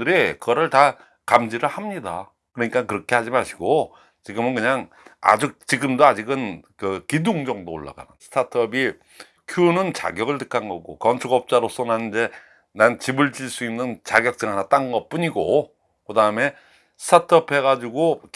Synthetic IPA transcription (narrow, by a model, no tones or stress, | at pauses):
ɯɾikɯɡʌɾɯɭta | kamd͡ʑiɾɯɭhamɲida̰ | kɯɾʌɲik͈ankɯɾʌkʰe̞had͡ʑimaɕʰi̥ɡo | t͡ɕiɡɯmɯnkɯɲaŋ | a̰d͡ʑuk̚t͡ɕiɡɯmdoad͡ʑiɡɯnkɯkidoŋd͡ʑʌŋdo̰ːɭːa̰ɡa̰nɯnsʰɯ̥tʰatʰʌbi | kʰjunɯnt͡ɕa̰ɡjʌɡɯɭtɯk͈ʰanɡʌɡokʌnt͡ɕʰuɡʌp̚t͡ɕ͈aɾos͈ʰʌnanind͡ʑe̞ | nant͡ɕibɯɭt͡ɕiɭs͈uimnɯnt͡ɕaɡjʌk̚t͈ɯŋɦanat͈anɡʌp͈uɲiɡo | kɯdaɯme̞ | sʰɯ̥tʰatʰʌpʰe̞ɣad͡ʑiɡo